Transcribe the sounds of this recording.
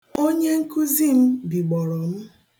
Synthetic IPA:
o˦ɲe˦ŋ̩˦ku˦zi˦m̩˦bi˨ɡ͡bɔ˨ɾɔ˨m̩˦

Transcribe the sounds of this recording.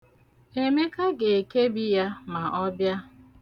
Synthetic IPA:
e˨me˦ka˦ɡe˨e˨ke˦bi˦ja˦ma˨ʔɔ˦bja˦

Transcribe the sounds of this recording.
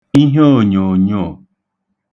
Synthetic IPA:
ĩ˦ɦo˦˨ɲõ˨ɲo˦˨

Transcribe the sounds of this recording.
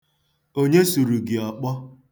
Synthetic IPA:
o˦ɲe˦su˨ɾu˨ɡi˨ɔ˨k͡pɔ˦

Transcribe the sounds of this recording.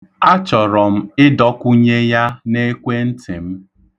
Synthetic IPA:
a˦t͡ʃɔ˨ɾɔ˨m̩˦ɪ˦dɔ˦kʷʊ˦ɲe˦ja˦ne˦kʷe˦n̩˦tɪ˨m̩˦

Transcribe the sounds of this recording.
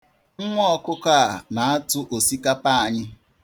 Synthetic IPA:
ŋ̩˦ŋʷ˦ɔ˦kʊ˦ka˦a˨na˨a˦tʊ˦ʔo˨si˦ka˦pa˦a˨ɲɪ˦

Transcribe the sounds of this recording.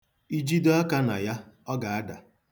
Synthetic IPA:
i˦d͡ʒi˦do˦a˦ka˦na̰˨ja˦ɔ˦ɡa˨a˦da˨

